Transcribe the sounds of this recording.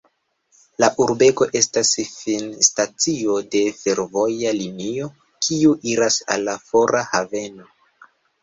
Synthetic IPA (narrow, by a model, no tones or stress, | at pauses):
laʔuɾbe̞ko̞ʔe̞stasfinstat͡sio̞de̞fe̞ɾvo̞jalinio̞ | kʰiuʔiɾasa̰lːafo̞ɾʔahave̞no̞